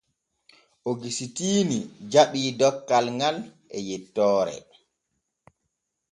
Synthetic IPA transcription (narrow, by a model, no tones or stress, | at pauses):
ʔoɡisitiːnid͡ʒaɓiːdɔkːalŋɡalʔɛjɛtːɔːɾɛ̰